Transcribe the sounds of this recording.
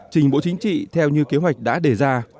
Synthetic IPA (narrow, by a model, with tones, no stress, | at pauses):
t͡ɕï˨˩ŋ̟ɓo̰˧˥t͡ɕï˨˦ŋ̟t͡ɕḭ˧˨t̪ʰɛ˧wɲɨ˧ke˨˦ɦwa˨˩jk̟̚ɗa̰ː˧˥ɗe˧˩zaː˧